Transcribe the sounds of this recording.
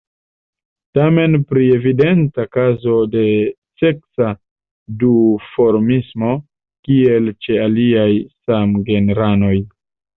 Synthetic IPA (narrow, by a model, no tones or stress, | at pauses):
tame̞npɾie̞vide̞ntakazo̞de̞ | se̞ksa | dufo̞ɾmismo̞ | kie̞lt͡ʃe̞aliajsamɡe̞neɾano̞j